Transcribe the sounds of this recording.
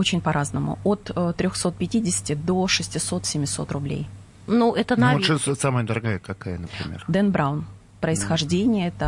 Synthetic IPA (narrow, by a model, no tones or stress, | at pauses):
ot͡ɕɪnʲpɐɾʔaznəmʊ̰ot̪əːɾʲoxso̞t̪̚pʲɪtʲidʲɪsʲɪ̥tʲɪd̪o̞ʂɨsʲtʲɪso̞t̪sʲɪmʲɪso̞̰t̪rʊblʲḛj | nuʔɛt̪ənaʂəssaməjəd̪əɾaɡajəkakajənəpɾʲɪ̰mʲḛrd̪ɛnbɾaʊn | pɾəɪsxɐʐdʲenʲɪjəɛt̪ə